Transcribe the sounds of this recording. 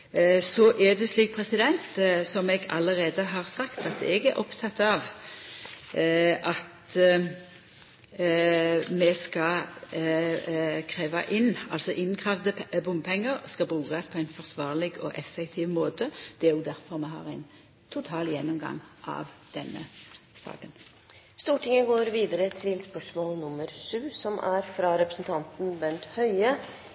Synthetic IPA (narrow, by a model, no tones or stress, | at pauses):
sɔʔæʁd̪ɛsliːk̚pʰɾɛsɪd̪ɛnt̪sɔmɛɡɑ̰ləʁeːd̪əɦɑːʁsɑkt̪ɑt̪ɛɡæɾʔɔpt̪ʰɑt̪ːɑʋ | ʔɑt̪ | mɛskɑ | kʰɾeːʋɑʔɪnːɑlsɔʔɪnkʰʁɑʋd̪əbʊmpʰɛŋːəʁskɑbʁʉːkɑspʰɔæɪnfɔʁsʋɑːʁlɪɡɔ̰ʔɛfɛkt̪ʰiːʋmoːt̪əd̪̥ɛæɾjʊd̪æɾfɔʁmɛɦɑ̰ːʁæɪn | t̪ʰʊt̪ʰɑːljɛnːʊmɡɑ̰ŋʔɑ̰ːʋd̪̥ɛnːə̰sɑ̰ːkən | st̪uːʈɪŋəɡoːɾʋiːd̪əɾət̪ʰɪlspœʂmoːlnʊmːəɾʂʉːsɔmæɾfɾɑɾɛpɾəsn̩t̪ʰɑnt̪n̩bɛnt̪hœʏə